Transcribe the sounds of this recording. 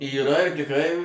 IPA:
iːˈrɐ ɪr tʲɪkˈrɐɪ

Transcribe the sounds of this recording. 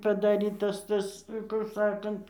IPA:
pɐdɐˈrʲiːtɐs ˈtɐs kʊr ˈsɑːkɐnt

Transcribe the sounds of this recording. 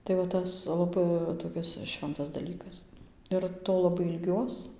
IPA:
tɐɪ ʋɐ ˈtɐs lˠɐˈbɐɪ toːˈkʲɪs ˈʃʲʋʲɛntɐs dɐˈlʲiːkɐs ɪr ˈtoː lˠɐˈbɐɪ ɪlʲˈɡʲuɔs

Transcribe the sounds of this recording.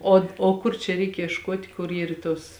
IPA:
ˈoː oː ˈkʊr t͡ʃʲɛ ˈrʲɛɪk iɛʃˈkuɔtʲ kʊr ˈiːr ˈtoːs

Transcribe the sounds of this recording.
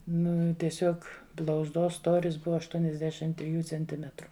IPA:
ˈnʊ tʲiɛˈsʲuɔk blˠɐʊzˈdoːs ˈstoːrʲɪs ˈbʊʋɐ ɐʃtuɔnʲɛzʲˈdʲæːʃʲɪm tʲrʲɪˈjuː t͡sʲɛnʲˈtʲɪmʲɛtrʊ

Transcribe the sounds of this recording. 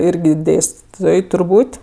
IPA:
ˈɪrʲɡʲɪ ˈdʲeːsʲtʲɪtoːj tʊrˈbuːtʲ

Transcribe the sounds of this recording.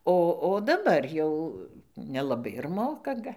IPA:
ˈoː oː dɐˈbɐr jɛʊ nʲɛlˠɐˈbɐɪ ɪr ˈmoːkɐ ˈɡɐ

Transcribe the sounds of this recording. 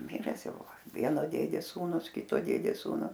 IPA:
ˈmʲɪrʲɛs ˈjɛʊ ˈʋɐ ˈʋʲiɛnoː ˈdʲeːdʲeːs ˈsuːnʊs ˈkʲɪtoː ˈdʲeːdʲeːs ˈsuːnʊ

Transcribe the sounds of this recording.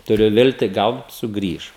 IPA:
tʊˈrʲʊ ˈʋʲɪlʲtʲiː ˈɡɐlˠ sʊˈɡrʲiːʃ

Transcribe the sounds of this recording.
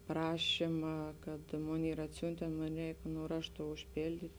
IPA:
ˈprɑːʃʲɪmɐ kɐt ˈmoːn ˈiːr ɐtʲˈsʲʊnʲtʲeːn ˈmoːn ˈrʲɛɪk nʊ ˈrɑːʃtʊ ʊʃʲpʲeːlʲˈdʲiːtʲ

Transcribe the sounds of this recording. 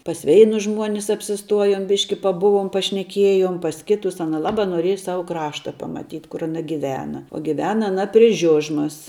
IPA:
pɐs ˈʋʲɛɪnʊs ˈʒmuɔnʲɪs ɐpʲsʲɪˈstuɔjoːm ˈbʲɪʃʲkʲɪ pɐˈbʊʋoːm pɐʃʲnʲɛˈkʲiɛjoːm pɐs ˈkʲɪtʊs ˈɑːnɐ ˈlˠɑːbɑː noːˈrʲiɛjɛ ˈsɑːʋʊ ˈkrɑːʃtɐ pɐmɐˈtʲiːtʲ kʊr ɐˈnɐ ɡʲɪˈʋʲæːnɐ oː ɡʲɪˈʋʲæːnɐ ɐˈnɐ pʲrʲɪ ˈʒʲʊʒmɐs

